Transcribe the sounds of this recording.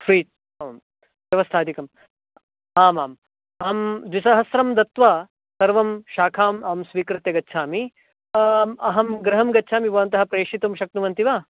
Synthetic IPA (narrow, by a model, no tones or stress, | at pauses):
fʰɾiːt̪̚ | m | ʋjɐʋɐst̪ʰaːd̪ikɐm | aːmaːm | aːmd̪ʋisɐɦɐsɾɐmd̪ɐt̪ʋaː | sɐɾʋɐmʃaːkʰaːmaːmsʋiːkɾɨt̪jɐɡɐtːʃʰaːmi | ɐɦɐmɡɾɐɦɐmɡɐtːʃʰaːmibɐːɐnt̪ɐɦɐpɾeːʂit̪umʃɐk̚nuʋɐnt̪iʋaː